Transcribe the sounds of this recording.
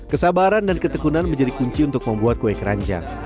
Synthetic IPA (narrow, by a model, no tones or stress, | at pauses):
kəsabaɾandankət̪əkunanməɲd͡ʒadikuɲt͡ʃiunt̪ʊk̚məmbuat̪̚koɛkɾa̰ɲd͡ʒa̰